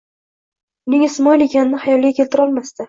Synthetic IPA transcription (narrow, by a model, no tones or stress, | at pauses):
ʊnɪŋɪsmɒjlekʲanɪnɪhajɒlˠɡʲakʲʰelt̪ɪɾɒlˠmast̪ɪ